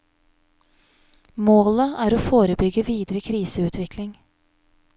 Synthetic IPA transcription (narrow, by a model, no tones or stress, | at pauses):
moːləæːɾoːfoːɾəbʏɡəʋiːd̪ɾəkʰɾiːsəʉːt̪ʰʋɪkʰlɪŋ